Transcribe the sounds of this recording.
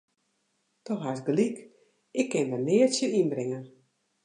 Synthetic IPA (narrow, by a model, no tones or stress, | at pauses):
tɔxɦasɡlik | ɪkːɪnʋənɪətsjəinbɾɪŋən